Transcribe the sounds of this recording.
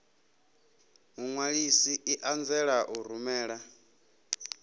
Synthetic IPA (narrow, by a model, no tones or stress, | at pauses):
uŋwaɺisiʔiʔand͡zɛɺaʔuɾ̤umɛːɺa